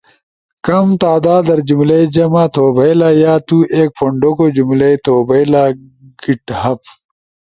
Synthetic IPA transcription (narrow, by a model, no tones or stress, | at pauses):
kɐmt̪aːd̪aːd̪ɐɾd͡ʑumlɐid͡ʑɐmaːt̪ʰoːbʱɐjlaːjaːt̪uʔeːk̚pʰoɳɖokod͡ʑumlɐit̪oːbɐjlaːɡ̥iʈhɐp